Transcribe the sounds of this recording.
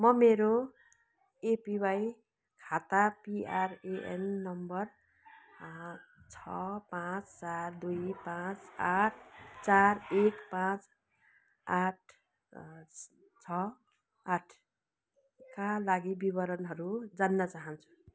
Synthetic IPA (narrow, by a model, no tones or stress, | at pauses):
mʌmeɾo | epibaj | kʰat̪apiareʔḛnːʌmbʌr | t͡sʰʌpãt͡st͡sard̪ujpãt͡saʈʰt͡sarekpãt͡s | aʈ̚ʰ | t͡sʰʌ | aʈʰ | kalaɡibibʌɾʌnɦʌɾud͡zanːʌt͡saɦʌnt͡sʰu̥